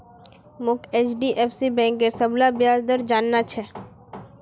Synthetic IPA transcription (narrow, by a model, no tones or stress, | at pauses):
mʊkʰeːt͡ʃɖiʔeːfsibɛ̃ːŋkeɾsəblabjaːzd̪əɾd͡ʒaːnːat͡ʃʰɛ